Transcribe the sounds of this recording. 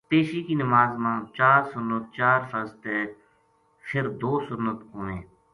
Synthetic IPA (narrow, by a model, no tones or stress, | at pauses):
peːʃiːkiːnəmaːzmãːt͡ʃaːɾsʊnːət̪̚t͡ʃaːɾfəɾst̪eː | pʰɪɾd̪oːsʊnːət̪ɦõːʋẽː